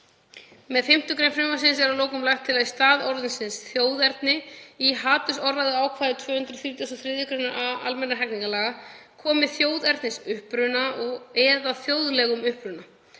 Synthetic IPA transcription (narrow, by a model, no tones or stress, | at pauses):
mɛðfɪm̥t̪ʏkɾejnfɾɪmasɪnsɛɾawloːwkʏmlajxt̪ʰːɪlaðist̪aːðɔɾðʏnsɪnsθjoːwðɛɾt̪nɪiɦaːt̪ʏsɔrːaðʏaːwkʰvaːðɪt̪ʰv̥œːhʏnt̪ɾʏθɾiːt̪jas̬ɔθɾɪːðjʏkɾenaʔaa̰lmɛnːaɦɛjkniŋkalaːɣakʰɔːmɪθjoːwðɛɾt̪nɪsʏhpɾʏnaʔɔɣɛːðaθjoːwðlɛɣʏmʏhpɾʏna